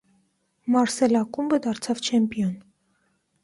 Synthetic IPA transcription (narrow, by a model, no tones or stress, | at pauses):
mɑɾsɛlɑkumbəd̪ɑɾt͡sʰɑvt͡ʃʰɛmpiɔn